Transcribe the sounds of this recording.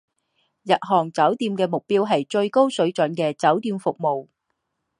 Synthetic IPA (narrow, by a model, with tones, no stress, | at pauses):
jɐ˨t̚ɦɔː˨˩ŋt͡sɐ˨˥wt̪iː˧mkɛː˧mʊ˨k̚piː˥wɦɐ˨jt͡ʃɵ˧ɥko˥wsɵ˨˥ɥt͡ʃɵ˨˥nkɛː˧t͡sɐ˨˥wt̪iː˧mfʊ˨k̚mo˨w